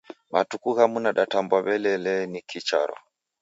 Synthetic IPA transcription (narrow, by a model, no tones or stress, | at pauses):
matukuɣamunaɗatambwaβɛlɛlɛnikʰit͡ʃa̰ɾɔ̰